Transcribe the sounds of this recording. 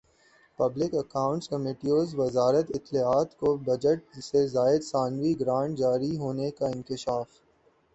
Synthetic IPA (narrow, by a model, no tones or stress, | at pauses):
pɐblɪkɐkãːʊ̃ɳʈskɐmeːʈioːzʋɐzaːɾət̪ɪt̪ːlaːaːt̪kobɐd͡ʒəʈ̚sezaːɪd̪saːnʋiɡɾãːɳʈ̚d͡ʒaːɾiɦoːnekaɪ̃nkɪʃaːf